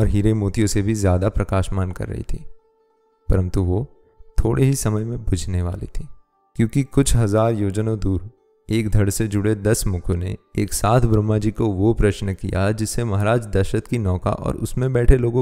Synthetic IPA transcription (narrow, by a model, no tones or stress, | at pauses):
ɔːɾɦiːɾemoːt̪ijõsebʱizjaːd̪apɾɐkaːʃmaːnkɐ̰ɾːɐ̰ɦḭt̪ʰḭː | pɐɾə̃nt̪uʋo | t̪ʰoːɽʔeɦisɐməjmẽbʱʊd͡ʒʱneʋa̰ːlḭt̪ʰiː | kjõːkikʊt͡ʃʰɦɐzaːɾjoːd͡ʒnõd̪uːɾ | eːkd̪ʱɐɽsed͡ʒʊɽed̪ɐsmʊkʰonḛeːksaːt̪ʰbɾɐmːad͡ʒiːkoʋopɾɐʃnkijad͡ʒɪsːemɐɦaɾaːd͡ʒd̪ɐɾʃət̪kinɔːka̰ʔɔ̰ːɾʊ̰smẽbɛːʈʰeloːɡõ